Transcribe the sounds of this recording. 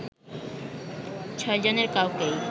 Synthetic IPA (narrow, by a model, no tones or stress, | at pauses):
t͡ɕʰɔed͡ʑoneɾkawkej